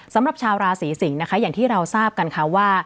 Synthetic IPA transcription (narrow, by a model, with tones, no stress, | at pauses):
sa˩˦mɾa˨˩p̚t͡ɕʰaː˧wɾaː˧siː˩˦si˩˦ŋna˦˥kʰa˦˥jaː˨˩ŋt̪ʰiː˥˩ɾa˧wsaː˥˩p̚ka˧nkʰa˦˥waː˥˩